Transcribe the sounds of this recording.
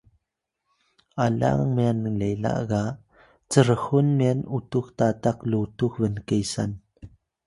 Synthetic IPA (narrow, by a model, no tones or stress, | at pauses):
ʔala̰ŋmanlejla̰ʔɣa | t͡səɾəhunmɛnʔutuxtataklutuk̚vənkejsa̰n